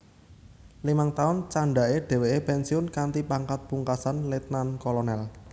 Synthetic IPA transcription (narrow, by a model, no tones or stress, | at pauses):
limaŋt̪aʊnt͡ʃaɳɖaʔeɖ̥ɛ̤weʔepɛnsiʊnkant̪ipaŋkat̪̚puŋkasanlet̪̚nankɔlɔnɛl